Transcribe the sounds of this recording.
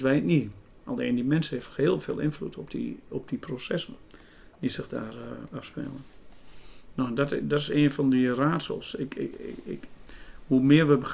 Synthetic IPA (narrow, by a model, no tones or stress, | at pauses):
ʋɛjtni | a̰lˠeːndimɛnsənhefəheːlˠfḛːlˠɪ̰nflutʰɔpdḭɔp̚d̥iprosɛsən | disɪxda̰ːrafspɛ̰lˠən | nodɔtdɔtɪseːnfɔndiraːtsə̰lˠsɪkkhumɪərʋəbə